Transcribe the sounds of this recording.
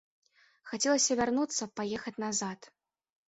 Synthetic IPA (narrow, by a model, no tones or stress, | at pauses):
xat͡sʲɛlˠɐsʲɐvʲarnut̪sːɐpajɛxɐt͡sʲnazat̪